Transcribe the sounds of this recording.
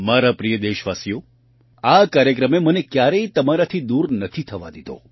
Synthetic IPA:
maɾapɾijəd̪eʃʋasijo | akaɾjəkɾəmemənekjaɾəit̪əmaɾat̪ʰid̪uɾnət̪ʰit̪ʰəʋa̰d̪id̪o̰

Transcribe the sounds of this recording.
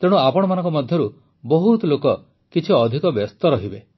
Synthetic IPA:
t̪eɽ̃uapɔɽ̃ɔmanɔ̃ŋkɔmɔd̪ʱjɔɾu | bɔɦut̪lokɔ | kit͡ʃʰiɔd̪ʱikɔbɔst̪ɔɾɔɦibe

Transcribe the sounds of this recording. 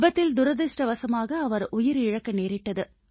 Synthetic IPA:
bɐt̪ːɪld̪ʊɾɐðɪʂʈɐʋɐsɐmaːɣɐːʋɐɾʔʊjɪɾɪɻɐkːɐneːɾɪʈːɐðɯ

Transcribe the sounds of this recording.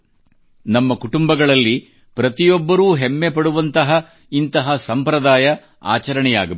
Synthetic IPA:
nɐmːɐkuʈumbɐɡɐɭɐlːi | pɾɐt̪ijɔbːɐɾuːɦemːe̞pɐɽuʋɐnt̪ɐɦɐ | int̪ɐɦɐsɐmpɾɐd̪aːjɐ | a̰ːt͡ʃɐɾɐɳɛja̰ːɡɐ

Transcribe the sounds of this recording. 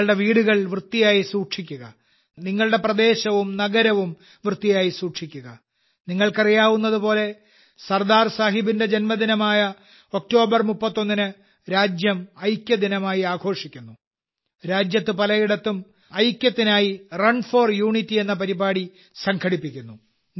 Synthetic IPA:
ɭɽe̞ʋiːɽuɣɐɭʋrɨt̪ːijaːjisuːʈʂikʲːuɣɐ | niŋːɐɭɨɽe̞prɐd̪e̞ːɕɐʋumnɐɡɐɾɐʋum | ʋrɨt̪ːijaːjisuːʈʂikʲːuɣɐ | niŋːɐɭkɐrijaːʋunːɐðupo̞ːle̞ | sɐrd̪aːrsaːɦibinde̞d͡ʑenmɐd̪inɐmaːjɐ | o̞k̚to̞ːbɐrmupːɐt̪ːo̞nːinɨ | ɾaːd͡ʑjɐmɐjkʲːɐd̪inɐmaːjiaːɡʰʱo̞ːʂikʲːunːu | ɾaːd͡ʑjɐt̪ːɨpɐlɐjiɽɐt̪ːum | ɐjkʲjɐt̪ːinaːjirɐɳfo̞ːrjuːɳitːie̞nːɐpɐɾibaːɽi | sɐŋɡʰʱɐɽipːikʲːunːu

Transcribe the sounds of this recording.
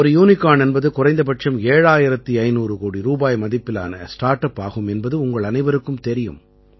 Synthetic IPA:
ɔɾɯjuːnɪkːaːnɛnbɐðɯkʊrɐɪnd̪ɐpɐʈt͡ʃɐmeːɻaːjɪɾɐt̪ːiɐɪnuːɾɯkoːɽiɾuːbaːjmɐðɪpːɪla̰ːnɐ̰sʈaːɾʈɐpːaːɣɯmɛnbɐðɯʊŋɡɐɭɐnɐɪʋɐɾɯkːɯmt̪ɛɾɪjɯ̰m

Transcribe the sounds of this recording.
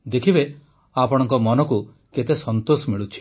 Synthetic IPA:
d̪ekʰibe | apɔɽ̃ɔŋkɔmɔnɔku | ket̪esɔnt̪osɔmiɭut͡ʃʰi̥

